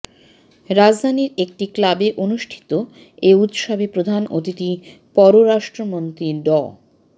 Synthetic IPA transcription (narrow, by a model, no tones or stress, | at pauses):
ɾad͡ʑd̪ʱaniɾek̚ʈiklabeʔonuʃʈʰi̥t̪o | eut̪ʃabʱepɾod̪ʱano̰t̪iʈi | pɔɾoɾaʃʈɾomont̪ɾiɖɔ